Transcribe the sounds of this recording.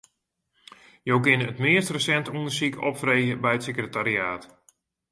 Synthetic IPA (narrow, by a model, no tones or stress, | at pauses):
jowkɪnəətmɪəstrəsɛntundərsikɔ̰pfrejəbɛjətsekrətaɾiaːt